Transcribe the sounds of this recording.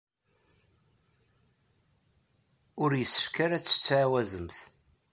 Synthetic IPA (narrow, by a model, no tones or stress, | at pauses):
ʊɾjəsːə̥fkaɾæt͡sːə̥t͡sːʕawæzəmθ